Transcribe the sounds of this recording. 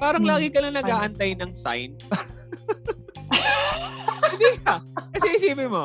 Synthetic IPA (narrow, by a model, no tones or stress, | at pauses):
paːɾɐŋlaːɡɪkɐloŋnɐɡaːʔɐnt̪ajnɐŋsa̰jnpɐ | hɪnd̪ikɐkɐsɛʔɪsiːpɪnmo̞